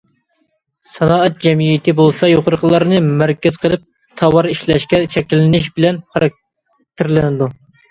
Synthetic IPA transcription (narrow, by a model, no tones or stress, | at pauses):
sɑnɑːɛt̪̚d͡ʒɛmijit̪ʰɪbolˠsɑjoχʊɾəqʰəlˠɑɾɨnɨmæɾkʲɛz̥qʰəlˠɨp̚ | t̪ʰɑwɑɾiʃlɛʃkʲɛt͡ʃʰɛkʲilɪnɪʃbɪlɛnχɑɾɑk̚ | t̪ʰɪɾlɪnɪd̪u